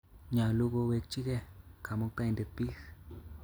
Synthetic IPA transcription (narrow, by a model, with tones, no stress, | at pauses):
ɲã˨lu˦ɣo˧βe˧t͡ʃi˦ɣe˧kʰa˨mõ˧k̪a˧i˧nd̪e˨˧pi˦x